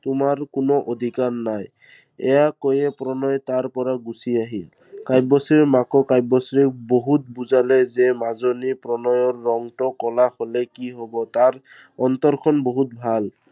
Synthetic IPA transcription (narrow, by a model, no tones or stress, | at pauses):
tʊmaɹkʊnɔʔod̪ʱikaɹnaj | ɛjakojɛpɹɔnɔjtaɹpɔɹaɡusiaɦil | kajbɔsɹiɹmakɔkajbɔsɹikboɦut̚buzalɛzɛmazonipɹɔnɔjɔɹːɔŋtɔkɔlaxolɛkiɦobɔtaɹ | ɔnt̪ɔɹkʰɔnboɦut̚bʱal